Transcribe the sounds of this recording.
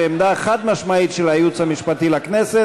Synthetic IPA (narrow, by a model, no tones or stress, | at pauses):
emd̪aχad̪maʃmait̪ʃelajut͡shamiʃpat̪ilakne̞se